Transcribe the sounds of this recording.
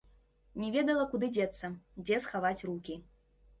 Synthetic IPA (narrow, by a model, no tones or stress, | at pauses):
nʲɛvʲɛd̪ɐlˠɐkud̪ɨd͡zʲɛt̪sːɐd͡zʲɛsxavat͡sʲrukʲi